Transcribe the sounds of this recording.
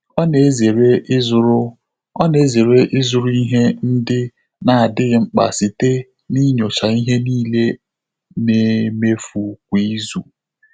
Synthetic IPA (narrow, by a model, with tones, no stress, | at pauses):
ɔ˦ne˨˦ze˨ɾe˦zʊ˦ɾʊ˦ | ɔ˦ne˨˦ze˨ɾe˦ʔɪ˦zʊ˨ɾu˦i˦ɦe˦n̩˦dɪ˦ | na˨a˨dɪ˦ŋ͡m̩˨k͡pa̰˨si˨te˦ | ni˦ɲɔ˨t͡ʃa˨i˦ɦe˦niː˦le˦ | ne˨me˦fu˨k̚ʷi˦zu˨